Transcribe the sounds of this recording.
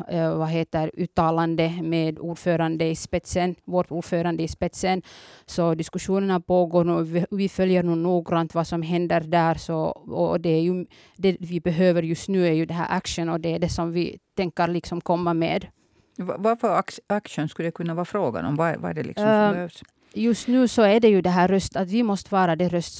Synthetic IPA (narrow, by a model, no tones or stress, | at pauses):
vaɦeːt̪əɾʉːt̪ːɑːland̪əmeːd̪uːɖføːɾand̪əɪspɛt̪sənvoʈ̪uːɖføːɾand̪əɪspɛt̪sənsɔd̪ɪskʉʂuːnənapoːɡoːɾɳuːvɪfœljəɾnuːnuːɡɾant̪vasɔmɦɛnd̪əɾd̪æːɾsɔːd̪ɛæɾjʉ | d̪ɛvɪbɛɦøːvəɾjɵst̪nʉ̟ːæɾjʉd̪ɛɦæ̰ːɾʔakʂənɔd̪ɛæɖɛsɔmvɪ̰t̪ʰɛŋkːəɾlɪksɔmkʰɔmːamḛːd̪ | va̰vaɾfœɾaakʂənskʉləd̪ɛkʰɵnːavɑːɾfɾoːɡa̰nɔ̰mva̰va̰ɛ̰ɖɛlɪ̰kɔmbɛhøːvs | jɵst̪nʉ̟ːsɔæɖɛjʉd̪ɛɦæːɾːœst̪at̪vɪmɔst̪əvɑːɾad̪ɛɾœst̪